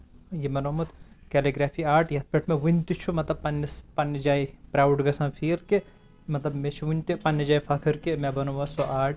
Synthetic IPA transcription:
jemɐnomut̪kɛliɡɾaːfʰiːaːʈjɐt̪̚ʰpʲeʈʰmẽʋunʲt̪it͡ʃʰumɐt̪lɐb̚pɐnːispɐnːd͡ʒaːipɾaːwɖɡɐsɐ̃nfʰiːɾke | mɐt̪lɐbmet͡ʃʰuʋunʲt̪ipɐnːɐd͡ʒaːjifɐkʰɨɾkemẽbɐnuʋɐsoʔaːʈʰ

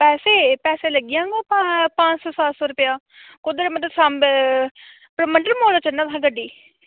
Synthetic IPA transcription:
pɛːseːpɛːseːləɡɪjãːɡoːpapãːt͡ʃsɔːsaːt̪sɔːɾʊpjaː | kod̪əɾemət̪əsamb | pɾəməɳɖəɾmoːlaːt͡ʃənːaːt̪ɦãːɡəɖːiː

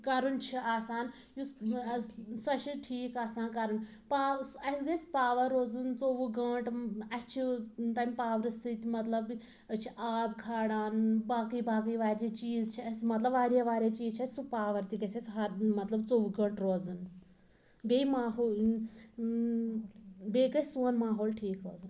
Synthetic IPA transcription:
kɐɾunt͡ʃʰiaːsaːn | ju | sɐʃiʈʰiːkaːsaːnkɐɾun | paːsɐsɡɐjspaːʋɐɾːoːd͡zunt͡soʋuɡɐ̃ʈɐt͡ʃʰit̪aːmʲipaːʋɾɨst̪ʰit̪imɐt̪lɐb | ɐt͡ʃʰiʔaːbkʰaːɽaːnbaːkibaːk̬iʋaːɾʲat͡ʃiːd͡zt͡ʃʰiɐsmɐt̪lɐbʋaːɾjaʋaːɾʲjaːt͡ʃiːzt͡ʃʰasʲsupaːʋɐɾt̪iɡɐsʲɐsʲɦɐɾmɐt̪lɐbt͡soʋuɡɐ̃ɳʈɾoːd͡zun | beimaːɦoː | beɡɐsuːnmaːɦoːlʈʰiːkɾoːd͡zun

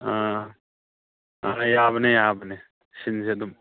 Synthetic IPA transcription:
aː | aːjaːbnejaːbne | ɕinsed̪um

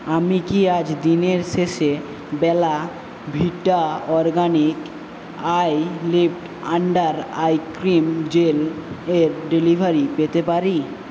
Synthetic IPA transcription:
amikiad͡ʑd̪ineɾʃeʃe | bɛla | bʱiʈaɔɾɡanik | ajlipʈ | aɳɖaɾajkɾimd͡ʑeleɾɖelibʱaɾipet̪epaɾi

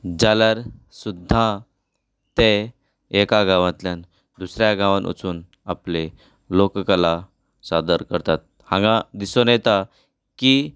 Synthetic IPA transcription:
d͡zaljaɾ | sud̪ʱːã | t̪e | ekaɡãʋãt̪ljan | d̪usɾjaɡãʋanʔṵt͡suːn | aple | lokkala | sad̪əɾkəɾt̪at̪̚hãŋɡãd̪isonjɛt̪a | ki

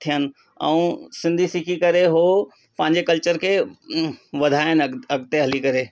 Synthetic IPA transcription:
t̪ʰijənɪ̆ | ɛ̰̃ũsɪ̃nd̪ʱisɪkʰikɐɾeɦoː | pɐ̃ɦɪ̃ɲd͡ʑekɐlt͡ɕəɾkʰe | ʋɐd̪ʱaːɪnɐɡt̪eɦɐlikɐɾeː

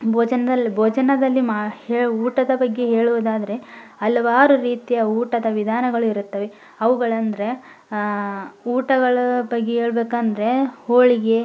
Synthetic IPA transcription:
bʱoːd͡ʒɐnɐd̪ɐlːibʱoːd͡ʒɐnɐd̪ɐlːimaheːɭuuːʈɐd̪ɐbɐɡːe̞ɦe̞ːɭuʋɐd̪aːd̪ɐɾe̞ɐlɐʋaːɾuɾiːt̪ijɐuːʈɐd̪ɐʋid̪ʱaːnɐɡɐɭuiɾut̪ːɐʋe̞ | ɐʋuɡɐɭɐnd̪ɐɾe̞ | uːʈɐɡɐɭɐbɐɡːeɦeːɭbeːkɐnd̪ɐɾe̞hoːɭiɡe̞

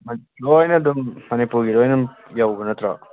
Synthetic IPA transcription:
mɐ | ɾojnɐdumːɐnipuɾɡiɾɔjnɐm | jawbɐnɐt̪ɾa̰

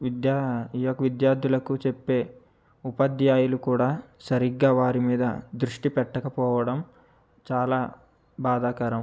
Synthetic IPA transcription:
ʋid̪jaiːjokɐʋid̪jaːɾd̪ʱjulɐkut͡ʃepːe̞ː | upɐd̪jaːjulukuːɽaːsɐɾiɡaːʋaːɾimiːd̪ɐ̰d̪ɾuʂʈipɛʈːɐkɐpɔːʋɐɽɐm | t͡ʃaːlaː | baːd̪aːkɐɾɐm

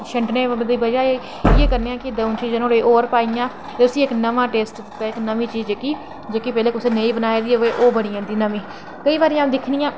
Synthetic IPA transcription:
ʃəɳʈneːd̪iːbəd͡ʒaːeː | ɪeːkəɾneːãːkɪd̪əʊnt͡ʃiːd͡ʒnõːleːʔoːɾpaːijãː | t̪eːʊsĩːɪknəʋãːʈeːsʈd̪ɪt̪ːaːɪknəmĩːt͡ʃiːzekiː | d͡ʒeːkiːpɛːleːkʊsẽːneĩːbənaːeːd̪iːoeːʔoːbəɽ̃iːãːnd̪iːnəmiː | kəiːʋaːɾĩːaːd̪ɪkʰniːãː

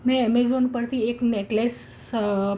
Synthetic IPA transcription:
mɛ̃emezonpəɾt̪ʰieknekles

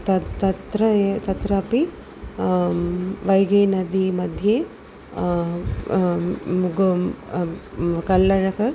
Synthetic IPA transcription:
t̪ɐt̪ɐt̪ɾɐet̪ɐt̪ɾɐːpi | ʋɐjɡeːnɐd̪imɐd̪ʱjeː | uɡ | kɐlːɐɾɐkɐɾ

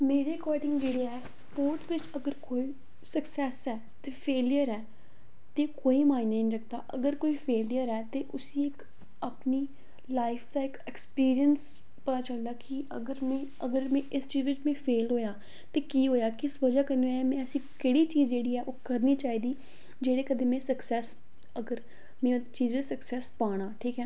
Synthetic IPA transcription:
meːɾeːkɔːɾɖɪ̃ŋɡd͡ʒeːɽeɦɛːs | poːɾʈsʋɪt͡ʃəɡəɾkoːiː | səksɛːsɛː | t̪eːpʰeːljəɾɛː | t̪eːkoːiːmaːɪ̃nːəĩnːɾəkʰd̪aːʔəɡəɾkoːiːpʰeːljəɾɛːt̪eːʔʊsiːɪk | apniː | laːɪfd̪aːɪkɛkspiːɾijəns | pət̪aːt͡ʃəld̪aːkɪ | ə̰ɡəɾmɛ̃ː | əɡəɾmɛ̃ːʔɪst͡ʃiːzʋɪt͡ʃmẽːpʰeːlɦoːjaː | t̪eːkiːɦoːjaːkɪsʋəd͡ʒaːkəɾnɛmɛ̃ːəsĩːkeːɽiːt͡ʃiːzd͡ʒeːɽiːɛːʔoːkəɾniːt͡ʃaːiːd̪iː | d͡ʒeːɽeːkəd̪ẽːmɛ̃ːsəksɛːs | əɡəɾ | mẽːt͡ʃiːzʋɪt͡ʃsəksɛːspaːɽ̃ãːʈʰiːkɦɛː

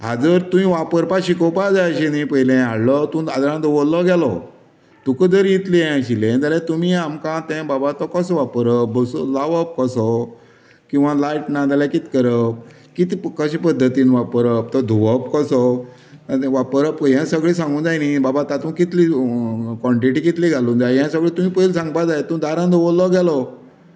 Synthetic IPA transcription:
ɦad͡zəɾt̪ũĩʋapəɾpaɕikəpad͡zaɕinĩpəɦilɛ̃aɽlɔt̪ũad̪ɾãd̪ɔʋɔllːɔɡɛlɔ̰ | t̪ukəd͡zəɾjit̪liɛ̃ɕiled̪alɛt̪umiamkãt̪ɛ̃babat̪ɔkəsɔʋapəɾəbəsulaʋəp̚kəsɔ | kĩw̃ʋalaiʈnad̪alãkit̪kəɾəp̚ | kit̪ikəɕipəd̪ʱːət̪iːnʋapəɾəp̚t̪ɔd̪ʱuʋəpkəsɔ | ʋapəɾəpɦjɛ̃səɡɭiːs̬ãŋɡũːnd͡zajnibabat̪ãt̪ũkit̪likɔ̃ɳʈiʈiːkit̪liɡʱalũːnd͡zajjɛ̃səɡɭiːt̪um̤iːpəilsãŋɡpad͡zajet̪ũd̪aɾãnd̪ʱoʋolːɔɡɛlɔ

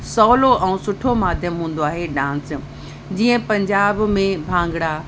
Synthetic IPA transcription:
sɔːloʔɛ̃ũsʊʈʰomaːd̪ʱjəmɦũːn̆d̪oaːɦeɖãːns | d͡ʑiːə̃pɐ̃ɲd͡ʑaːbmẽbʱãːŋɡɽa

